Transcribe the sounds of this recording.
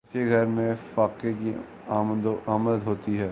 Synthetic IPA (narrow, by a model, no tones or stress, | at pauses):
ɪseɡʱɐɾmẽfaːqeki | aːmd̪aːməd̪ɦoːt̪iɦɛː